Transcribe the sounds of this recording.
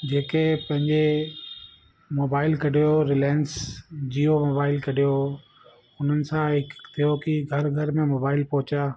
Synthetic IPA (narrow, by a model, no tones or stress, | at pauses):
d͡ʑeːkepɐ̃ɦɪ̃ɲd͡ʑe | moːbaːɪlkɐɽijoɾɪlɛːnsd͡ʑiːomoːbaːɪlkɐɗijo | ʊn̤ənɪ̆sãɦɪkt̪ʰijokiɡʱɐɾɡʱɐɾmẽmoːbaːɪlpɔɦʊt͡ɕaː